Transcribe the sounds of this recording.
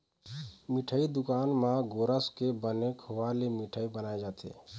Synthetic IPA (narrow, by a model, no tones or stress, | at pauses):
miʈʰəid̪ukanmãɡoɾəskebənekɦoʋalemiʈʰəibənajd͡ʒat̪ʰḛ